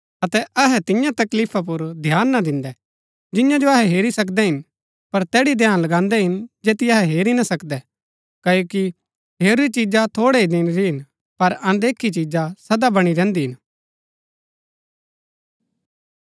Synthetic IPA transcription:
ɐt̪ɛʔɐɦɛt̪ɪjãt̪ɐkliːpʰap̬ʊɾd̪ʱjaːnːad̪ɪ̃nd̪ɛ | d͡ʒɪ̃jãd͡ʒoɐɦɛɦeːɾisɐk̬d̪ɛɦɪn | pɐɾt̪ɛːɽid̪ʱjãːnlɐɡãːnd̪ɛɦɪnd͡ʒeːt̪iɐɦɛɦeːɾinasɐkd̪ɛ | kɐjoːki | ɦeːɾit͡ʃid͡ʒat̪ʰoːɽeid̪ɪnɾiɦɪn | pɐɾɐ̃d̪eːkʰit͡ʃid͡ʒasɐd̪abɐɽ̃iɾɛ̃ːnd̪iɦɪn

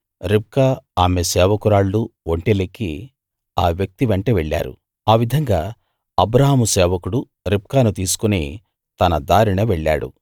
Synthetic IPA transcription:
ɾip̚kaːaːmesɛːʋɐkuɾaːɭːuoɳʈeliki | aːʋjɐk̚t̪iʋeɳʈɐʋeɭːa̰ːɾṵ | aːʋid̪ʱɐŋɡaː | ɐbɾɐɦaːmusɛːʋɐkuɽu | ɾip̚kaːnut̪iːsu̥kuneː | t̪ɐnɐd̪aːɾiɳɐʋeɭːa̰ːɽṵ

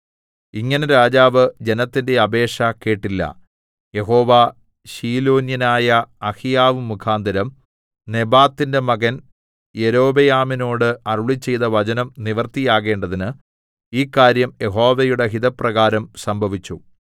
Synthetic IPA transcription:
iŋːɐneɾaːd͡ʑaːʋɨd͡ʑe̞nɐt̪ːinde̞ɐbe̞ːʂɐke̞ːʈːilːɐ̰ | je̞ɦo̞ːʋaː | ɕiːlo̞ːnjɐnaːjɐːhijaːʋɨmukʰaːnd̪ʱɐɾɐm | ne̞baːt̪ːinde̞mɐɣɐn | je̞ɾo̞ːbejaːmino̞ːɽɨɐruɭit͡ɕːe̞jðɐʋɐd͡ʑɐnɐmniʋɐrt̪ijaːɣe̞ːɳɖɐðinɨ | iːkːaːɾjɐmjʔe̞ɦo̞ːʋejuɽe̞ɦiðɐprɐɣaːɾɐmsɐmbʱɐʋit͡ɕːu

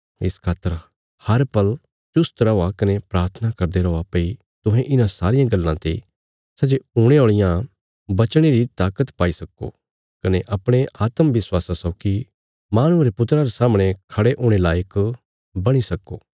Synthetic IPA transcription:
ɪ̰skʰaːt̪əɾ | hɐɾpɐl | t͡ʃʊst̪ɾɐakɐnepɾaːɾt̪ʰənakɐɾd̪eɾɔːapei | t̪ʊ̃ɦẽʔɪnãsaːɾɪjãɡɐlːãt̪e | sɐd͡ʒeuːɽ̃eoːɭɪjã | bɐt͡ʃɽ̃iɾit̪aːkət̪paːisɐko̰ | kɐneʔɐpɽ̃eʔaːt̪əmʋɪswaːsasɐki | maːɽ̃ũɾepʊt̪ɾãɾesaːmɽ̃ekʰɐɽeʔʊ̃ːɽ̃elaːjək | bɐɽ̃isɐko̰ː

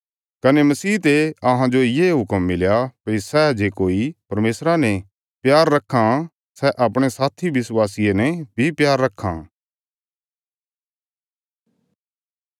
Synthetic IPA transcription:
kɐnɛmɐsiːt̪eɐɦãd͡ʒojeːɦʊkəmːɪljapisɛd͡ʒeːkoːipɐɾmeːsɾanɛ̃ | pjaːɾːɐkʰːa | sɛʔapɽ̃esaːt̪ʰibɪswaːsijenɛbʱipjaːɾːɐkʰːã̰

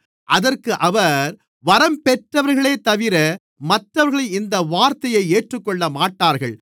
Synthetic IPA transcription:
ʔɐðɐrkɯʔɐʋɐɾ | ʋɐɾɐmpɛʈrɐʋɐɾɣɐɭeːt̪ɐʋɪɾɐ | mɐʈrɐʋɐɾɣɐɭɐɪɪnd̪ɐʋaːɾt̪ɐjɐɪeːʈrɯkːɔɭːɐmaːʈːaːɾɣɐ̰ɭ

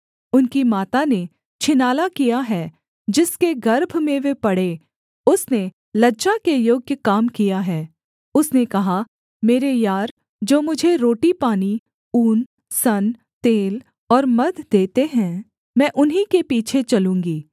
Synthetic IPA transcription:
ʊnkimaːt̪ane | t͡ʃʰɪnaːlakijaɦɛ | d͡ʒɪskeɡɐɾbʱmẽʋepɐɽe | ʊsne | lɐdd͡ʒakejoːɡjəkaːmkijaɦɛː | ʊsnekɐɦa | meːɾejaːɾ | d͡ʒoːmʊd͡ʒʱeɾoːʈipaːni | uːn | sɐn | t̪eːl | ɔːɾmɐd̪ʱd̪eːt̪eɦɛ̃ | mɛ̃ːʔʊnɦĩkepiːt͡ʃʰet͡ʃɐlũːŋɡiː

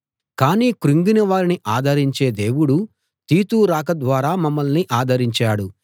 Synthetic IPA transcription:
kaːniːkɾuŋɡinɐʋaːɾiniʔaːd̪ʱɐɾiɲt͡ʃe̞ːd̪e̞ːwuɽu | t̪iːt̪uːɾaːkɐd̪ʋaːɾaːmɐmːɐlniʔaːd̪ʱɐɾiɲt͡ʃaːɽu

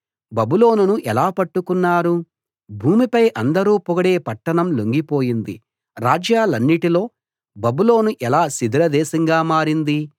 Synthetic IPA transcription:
bɐbuloːnunuʔɛlaːpɐʈːukunːaːɾu | bʱuːmipɐjʔɐnd̪ɐɾuːpɔɡɐɽeːpɐʈːɐɳɐmloŋɡipo̞ːjind̪i | ɾaːd͡ʒjaːlɐnːiʈilo̞ː | bɐbulo̞ːnuʔɛlaːsid̪ʱɾɐd̪ɛːʃɐŋɡaːmaːɾind̪i

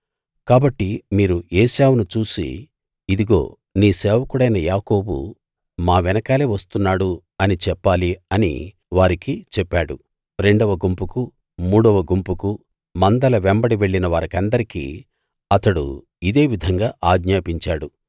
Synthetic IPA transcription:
kaːbɐʈːimiːɾueːsaːwnut͡ʃuːsḭ | id̪iɡo̞̰ː | niːsɛːʋɐkuɽɐjnɐjaːko̞ːbṵ | maːʋɛnɐkaːleːʋɐst̪unːaːɽu | ɐnit͡ʃɛpːaːliɐnḭ | ʋaːɾikit͡ʃɛpːaːɽṵ | ɾe̞ɳɖɐʋɐɡumpuku | muːɽɔʋɐɡumpuku | mɐnd̪ɐlɐʋembɐɽiʋe̞ɭːinɐʋaːɾɐkɐnd̪ɐɾikḭː | ɐt̪ɐɽṵ | id̪e̞ːʋid̪ʱɐŋɡaːʔaːɡɲaːpiɲt͡ʃaːɽu

